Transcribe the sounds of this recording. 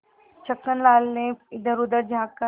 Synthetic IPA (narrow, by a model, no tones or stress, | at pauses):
t͡ʃʰɐkːənlaːlnẽɪd̪əɾʊd̪əɾd͡ʒʱaːkkə